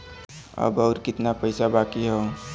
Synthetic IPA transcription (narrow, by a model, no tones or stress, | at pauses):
ə̰bɔːɾkɪt̪napəɪsabaːkiɦɛ